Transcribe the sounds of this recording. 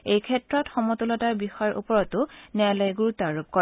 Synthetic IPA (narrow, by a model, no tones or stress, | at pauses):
ejkʰɛtɹɔtxɔmɔtulɔtaɹbixɔaɹʔṵpɔɹɔtʊnɛalɔjɡuɹutaɹup̚kɔ